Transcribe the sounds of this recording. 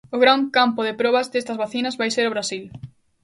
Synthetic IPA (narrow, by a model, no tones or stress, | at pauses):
ʊɣɾaŋkampʊðɪpɾɔβɐzd̪est̪ɐzβaθinɐzβajseɾʊβɾasil